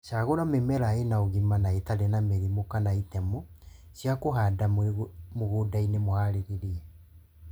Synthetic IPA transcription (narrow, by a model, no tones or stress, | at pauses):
ʃaɣoɾamemɛɾaenaoɣimanaetaɾɛnameɾimokanaitɛmɔ | sjakoɦadamoɣoːdainemohaɾeɾiɾiɛ